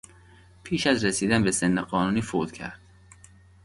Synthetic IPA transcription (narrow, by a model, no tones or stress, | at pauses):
pʰiːʃæzɾesiːd̪ænbesenːeɢɒːnuːniːfod̪̥cʰæ̰ɾd̪̥̚